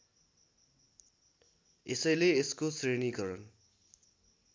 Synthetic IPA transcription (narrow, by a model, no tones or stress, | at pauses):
esʌjleːskosreniɡʌɾʌn